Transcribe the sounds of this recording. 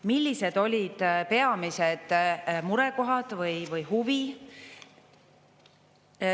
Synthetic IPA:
milʲːise̞d̪̥o̞lʲid̪̥pe̞ɑmised̪̥muɾɛko̞ɦɑd̪̥vɯjvɯjhuvi

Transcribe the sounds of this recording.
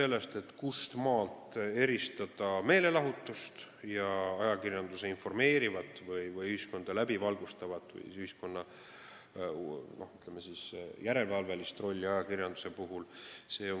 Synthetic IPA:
se̞lːe̞st̪e̞t̪kust̪mɑːlt̪e̞ɾist̪ɑd̪ɑme̞ːle̞lɑɦut̪ːˑust̪jɑɑjɑkirjɑnd̪use̞info̞rme̞ːɾivɑt̪ːˑvɯjvɯjyhisko̞nd̪̥ɑlæbivɑlɡ̥ust̪ɑvɑt̪ːˑvɯ̰jyhisko̞nːɑ | no̞hyt̪ːˑlemesisjæɾe̞lvɑlve̞list̪ro̞lʲːiɑjɑkirjɑnd̪u̥se̞puɦulse̞ːo̞

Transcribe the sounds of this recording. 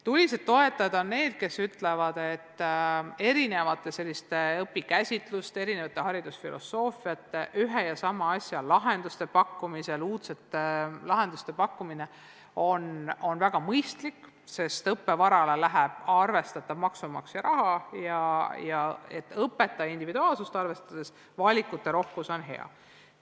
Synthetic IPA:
t̪ulʲised̪ːo̞e̞t̪ːˑɑd̪ɑne̞ːd̪̥̚ke̞syt̪le̞vɑd̪̥e̞t̪ːe̞ɾine̞vɑt̪ːˑe̞se̞lʲːist̪eɤpːikæsʲit̪ˑlust̪ee̞ɾinevɑt̪ːˑeɦɑɾid̪̥usfilʔo̞̰sːo̞ːfiɑt̪ːˑeʔyɦejɑsɑmɑɑsʲjɑlɑɦe̞nd̪̥ust̪e̞pɑkːumise̞luːt̪set̪ːelɑɦe̞nd̪ust̪e̞pɑkːumine̞ | o̞no̞nvæɡ̥ɑmɤjst̪likːˑ | se̞st̪ɤpːe̞vɑɾɑlelæɦæb̥ɑrve̞st̪ɑt̪ːˑɑvmɑksumɑksjɑɾɑɦɑjɑjɑe̞t̪ːˑɤpːˑe̞t̪ːˑɑind̪ivid̪uɑːlsust̪ɑrve̞st̪ɑd̪̥e̞s | vɑlʲikːˑut̪ːe̞ɾo̞hkuso̞nɦe̞̰ɑ̰

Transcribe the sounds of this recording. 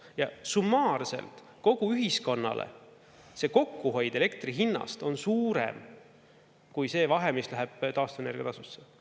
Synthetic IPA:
jɑsumːɑːrse̞̰lt̪ | ko̞ɡ̥uyɦisko̞nːɑ̰lʔḛ | se̞ko̞kːuɦo̞jd̪̥e̞le̞kt̪riɦinːɑ̰st̪o̞nsuːɾe̞̰m | kujse̞ːvɑɦe̞mislæɦɛb̥t̪ɑːst̪uene̞rɡjt̪ɑsusːe

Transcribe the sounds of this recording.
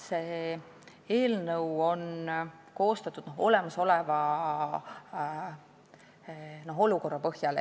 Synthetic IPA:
se̞ː | e̞ːlnɤwo̞n | ko̞ːst̪ɑt̪ːˑud̪̥no̞ɦo̞le̞mɑso̞levɑ | no̞ɦo̞luko̞rːɑpɤhjɑl

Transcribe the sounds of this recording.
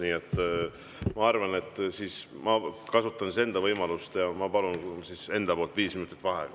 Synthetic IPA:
niːet̪ː | mɑɑrvɑne̞t̪ːˑsiːsmɑkɑsut̪ːˑɑnsise̞nd̪ɑvɤjmɑlust̪jɑmɑpɑlunsise̞nd̪̥ɑpo̞lt̪ˑviːsminut̪ˑi̥t̪ːˑvɑɦḛ

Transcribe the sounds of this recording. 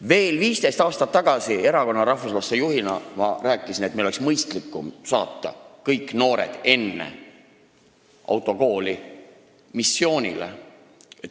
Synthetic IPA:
ve̞ːlviːst̪e̞jst̪ɑːst̪ɑt̪ːɑɡ̥ɑsie̞ɾɑko̞nːɑɾɑhfuslɑsejuhinɑmɑræːkːˑisinet̪meiloeksmɤjst̪likːˑumsɑːt̪ːɑ̰kɤjkːˑno̞ːɾḛd̪̥e̞nːḛ | ʔɑ̰wt̪ːˑo̞ko̞ːli | misːjo̞ːnʲḭlḛ

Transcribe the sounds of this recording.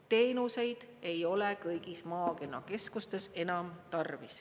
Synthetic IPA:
t̪e̞ːnuse̞jd̪̥ | e̞jo̞lekɤjɡismɑːke̞nːɑke̞skust̪e̞se̞nɑmt̪ɑrvis

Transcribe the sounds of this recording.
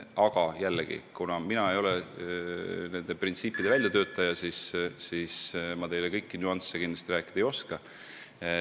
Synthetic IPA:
ɑɡ̥ɑjælːeɡ̥ḭkunɑminɑe̞jo̞lɛ | ne̞nd̪e̞print̪siːpːˑid̪e̞vælʲjɑt̪ø̞ːt̪ːˑɑjɑsisːismɑt̪e̞jlekɤjkːinuɑnt̪sːekind̪lɑst̪iræːkːˑid̪̥ɑejo̞skɑ

